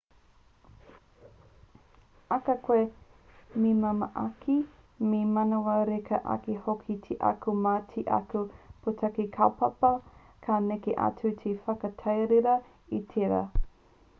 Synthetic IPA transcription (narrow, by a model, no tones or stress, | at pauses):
ɐkɐkʰwe | mimɐmɐʔakʰi | memɐnowɐɾekʰɐʔa̰kihokʰitʰiʔa̰kumaːtʰiʔɐ̰kupʰotʰɐkikʰawpɐpɐ | kʰaːnekeʔa̰tutʰefɐkɐtʰɐjɾeɾɐ | itʰeɾa̰